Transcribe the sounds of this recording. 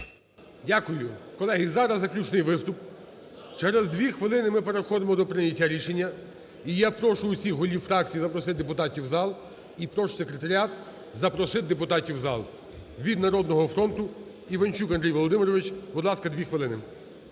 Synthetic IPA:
dʲakʊjʊkɔlˠɛɦizɑɾɐzːɐklʲut͡ʃnɪjʋɪst̪ʊp | t͡ʃɛɾezd̪ʋʲixʋɪlˠɪnɪmɪpeɾewxɔd̪emɔd̪ɔpɾɪnʲɐtʲːaɾʲiʃenʲːɐ | ijapɾɔʃʊʊsʲixɦɔlʲiwfɾɑk̚t͡sʲijizɐpɾɔsɪt̪̚d̪epʊt̪ɑtʲiwzɑlˠ | ipɾɔʃsekɾet̪ɐɾʲiat̪ | zɐpɾɔsɪd̪epʊt̪ɑtʲiwzɑ̰lˠ | ʋʲid̪nɐɾɔd̪nɔɦɔfɾɔnt̪ʊ | iʋɐnʲt͡ʃukɐnd̪ɾʲijʋɔlˠɔd̪ɪmɪɾɔʋɪt͡ʃbʊd̪lˠɑskɐd̪ʋʲixʋɪlˠɪnɪ

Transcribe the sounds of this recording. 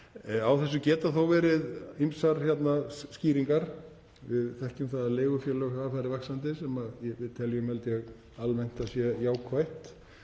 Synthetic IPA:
awθɛsːʏcɛːt̪aθawvɛːɾɪðimsaɾçjɛt̪nasciːɾiŋkaɾ | vɪðθɛhcʏmθaðaðleːɣʏfjɛːlœɣhaafaɾɪvɛxsant̪ɪsɛmaðjɛvɪðt̪ʰɛljʏmhɛlt̪ɪaɣ | almɛn̥t̪asjɛjaːwkʰvajht̪

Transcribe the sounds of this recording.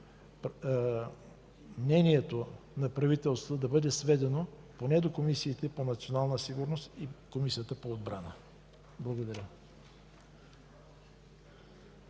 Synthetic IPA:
mnɛniɛt̪onɐpɾɐvit̪ɛlˠst̪vəd̪ɐbɤd̪ɛsvɛd̪ɛno | ponɛd̪okomisiːt̪ɛponɐt̪sʲionalˠnəsiɡʊɾnost̪ikomisijət̪əpoːd̪bɾanə | blˠɐɡod̪ɐɾʲə

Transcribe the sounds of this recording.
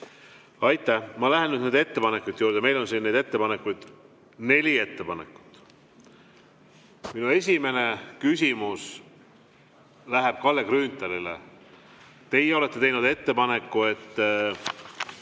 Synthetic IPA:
ɑjt̪ːˑæhmɑlæɦenyd̪ned̪e̞t̪ːe̞pɑne̞kːˑujt̪ːˑjuːɾd̪̥eme̞jlo̞nsiːnːe̞jd̪e̞t̪ːe̞pɑnekːujd̪̥ | ne̞lʲie̞t̪ːe̞pɑnḛkːˑu̥t̪ːˑ | minue̞s̬ʲime̞nekysʲimus | læɦeb̥kɑlːekɾyːnt̪ˑːeɾilḛ | t̪e̞jeo̞le̞t̪ːe̞t̪e̞jnud̪̥e̞t̪ːe̞pɑne̞kˑːue̞t̪ː

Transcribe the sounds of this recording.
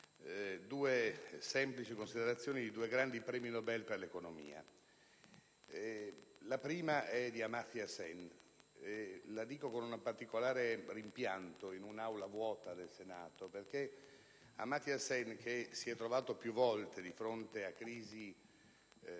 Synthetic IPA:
d̪uːesɛmplit͡ʃikonsid̪eɾat̪sːjoːnid̪id̪uːeɡɾand̪ipɾɛːminobɛlːperlekonomḭːa̰ | lapɾiːmaʔɛd̪iamat̪jasɛnelad̪iːkokonunapart̪ikolaːɾerimpjant̪oinunawlavwɔːt̪ad̪elsenaːt̪operke | a̰mat̪iasɛnk̟esiɛt̪ːɾovaːt̪opjuvːɔlt̪ed̪ifɾont̪eakːɾiːzi

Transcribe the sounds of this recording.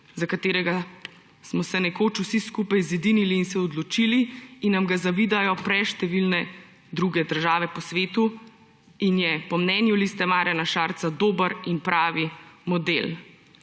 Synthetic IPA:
zakat̪eːɾɛɡa | smɔsɛnɛkoːt͡ʃusiskuːpajzid̪iniliːnsɛɔd̪lɔt͡ʃiːliinːamɡazaʋiːd̪ajɔpɾɛʃt̪ɛʋilnɛ | d̪ɾuɡɛd̪əɾʒaːʋɛpɔsʋeːt̪u | injɛpɔmnɛnjulist̪ɛmaːɾjanaʃaːɾt̪sad̪oːbəɾinpɾʔaːʋimɔd̪el

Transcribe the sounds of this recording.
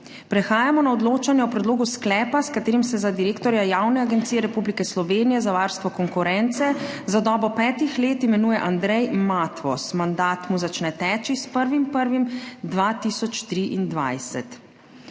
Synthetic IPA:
pɾɛxaːjamɔnaɔd̪loːt͡ʃanjɛɔpɾɛd̪loːɡusklɛːpaskat̪eːɾimsɛzad̪iɾeːkt̪ɔɾjajawnɛaɡɛnt̪sijɛɾɛpublikɛslɔʋeːnijɛzaʋaɾst̪ʋɔkɔŋkuɾɛnt̪sɛzad̪ɔːbɔpɛːt̪ixleːt̪imɛnuːjɛʔand̪ɾɛjmat̪ʋɔ̰smand̪aːt̪muzat͡ʃnɛt̪ɛːt͡ʃispəɾʋimpəɾʋimd̪ʋat̪iːsɔt͡ʃt̪ɾiʔind̪ʋa̰jsɛ̰t̪

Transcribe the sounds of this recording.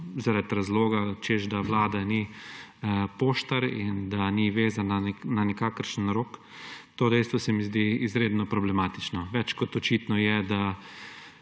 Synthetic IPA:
zaɾat̪ɾazloːɡat͡ʃeʒd̪aʋlaːd̪ani | poːʃt̪aɾind̪aniʋeːzanananɛkaːkəɾʃənɾoːk | t̪oːd̪ɛjst̪ʋɔsɛmizd̪iizɾeːd̪nɔpɾɔblɛmaːt̪it͡ʃnɔʋɛt͡ʃkɔt̪ɔt͡ʃiːt̪nɔjɛd̪a

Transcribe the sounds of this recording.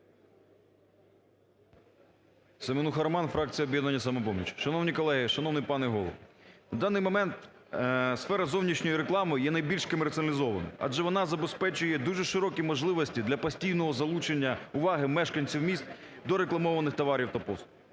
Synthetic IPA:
semɪnuxɐɾmɑnfɾɑk̚t͡sʲijɐɔbʲjɛd̪nɐnʲːɐsɐmɛpɔmʲḭt͡ʃʃɐnɔwnʲikɔlˠɛɦɪʃɐnɔwnɪjpɑnɛɦɔlˠɔ̰wnɐd̪ɑnːɪjmɔmɛnt̪ | sfɛɾɐzɔwnʲit͡ʃnʲɔjiɾeklˠɑmɨjjɛnɐjbʲilʲʃkɔmert̪sʲɐnɐlʲɪzɔʋɐ̰nɐ̰ɑ̰d͡ʒɛʋɔnɑzɐbespɛt͡ʃʊjɛd̪uʒɛʃɪɾɔkʲimɔʒlˠɪʋɔsʲtʲid̪lʲɐpɐsʲtʲijnɔɦɔzɐlˠut͡ʃenʲːɐʊʋɑɦɪmɛʃkɐnʲt͡sʲiwmʲist̪̚ | d̪ɔɾeklˠɐmɔʋɐnɪxt̪ɔʋɑɾʲiwt̪ɐpɔst̪ʊ

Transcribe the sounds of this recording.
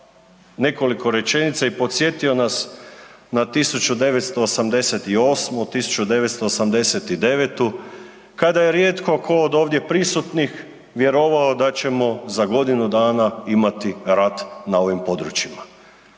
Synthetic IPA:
ne̞ko̞liko̞ɾe̞t͡ʃe̞nit̪saipo̞t̪sje̞t̪io̞nasnat̪isut͡ʃud̪e̞ʋet̪st̪o̞ːsamd̪e̞set̪io̞ːsmot̪isu̥t͡ʃud̪e̞ʋet̪st̪o̞ːsamd̪e̞set̪id̪e̞ʋet̪u | kad̪aje̞ɾjeːt̪ko̞kʰoːd̪o̞ːʋd̪jepɾisut̪nix | ʋje̞ɾo̞ʋaod̪at͡ɕe̞mo̞zaɡo̞d̪inud̪aːnaimat̪iɾat̪nao̞ʋimpo̞d̪ɾut͡ɕima

